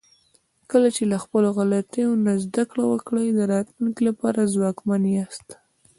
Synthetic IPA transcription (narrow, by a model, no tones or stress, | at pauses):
kəlat͡ʃelaxpəloɣalat̪ejonazd̪akɽawəkɽəjd̪əɾɑt̪luŋkilapɑɾazwɑkmanjast̪